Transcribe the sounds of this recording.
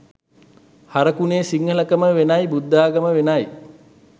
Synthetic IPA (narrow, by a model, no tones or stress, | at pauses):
haɾəkuneːsiŋɡələkəməʋenajbud̪ːaːɡəməʋenaj